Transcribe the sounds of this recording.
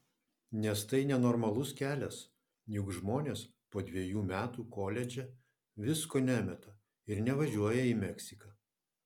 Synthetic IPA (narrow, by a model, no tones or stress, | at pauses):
nʲɛst̪ɐɪnʲɛnɔɾmɐlˠʊskʲæːlʲɛs | jʊkʒmoːnʲeːs | poːd̪ʲʋʲiɛjuːmʲæːt̪uːkoːlʲɛd͡ʒʲɛ | ʋʲɪskoːnʲæːmʲɛt̪ɐ | ɪɾnʲɛʋɐʒʲuɔjɛiːmʲɛksʲɪkɐ